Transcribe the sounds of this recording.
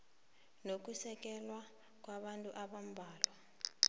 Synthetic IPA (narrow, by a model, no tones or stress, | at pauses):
nok̬usɛk̬ɛlwa | k̬ʼwaɓantʼuʔaɓam̩bʱaːlwa